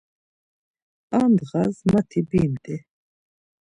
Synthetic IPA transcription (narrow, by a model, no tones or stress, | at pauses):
aːnd̪ʁazmat̪ʰibiːmd̪ɛ